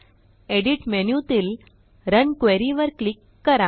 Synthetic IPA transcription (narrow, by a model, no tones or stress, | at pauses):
eɽiʈmenjut̪iːl | ɾənkʋeɾiʋəɾklikːəɾa